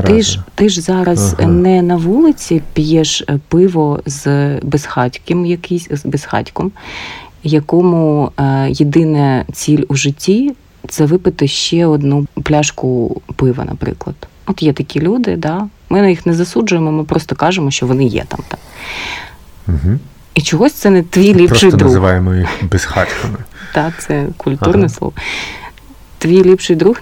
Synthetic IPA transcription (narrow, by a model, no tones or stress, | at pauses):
ɪʒt̪ɪʒzɑɾɐznɛnɐʋulˠɪt͡sʲipʲjɛʃpɪʋɔzbesxɑtʲkɪmjɐkisʲzbɛsxɑ̰tʲkɔm | jɐkɔmʊjɪd̪ɪnɛt͡sʲilʲuʒɪtʲːi | t̪sɛʋɪpɪt̪ɪʃt͡ʃɛɔd̪nuplʲɑʃkʊpɪʋɐ̰nʔɐ̰pɾɪ̰klˠɐ̰d̪̥ | ɔt̪jɛt̪ɐkʲilʲud̪ɪd̪ɑmɪnɐjixnɛzɐsud͡ʒʊjemɔmɪpɾɔst̪ɔkɑʒemɔʃt͡ʃɔʋɔnɪjɛ̰t̪ɑ̰mt̪ɑm | ɦ̩ | it͡ʃɔɦɔsʲt̪sɛnɛt̪ːʋʲijlʲipɾɔʃɪjd̪ɾuzɪʋɑjemɔixxbɛsxɑtʲkɐmɪt̪ɑt̪sɛkʊlʲt̪urnɛslˠɔ̰ʋɔ | t̪ʋʲijlʲipʃɪjd̪ɾux